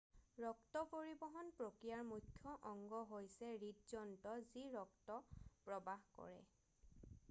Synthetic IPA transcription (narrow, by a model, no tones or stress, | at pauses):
ɹɔktɔpoɹibɔɦɔnpɹokɹijaɹmukʰːjɔʔɔŋɡɔɦojsɛɹitzɔntɔziɹɔktɔpɹɔbaɦkɔ̰ɹɛ̰